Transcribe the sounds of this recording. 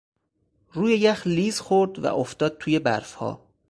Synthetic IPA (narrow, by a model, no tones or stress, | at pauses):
ruːjejæxliːzxoɾd̪væ̰ʔoft̪ɒːd̪̚t̪ʰuːje̞bæ̰ɾfhɒ̰ː